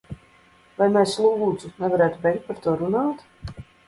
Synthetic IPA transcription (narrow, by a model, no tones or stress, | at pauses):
vajmʲɛslˠuːluːd̪zunɛvaɾæːt̪ubʲɛjkt̪̚paɾt̪uɔɾunaːt̪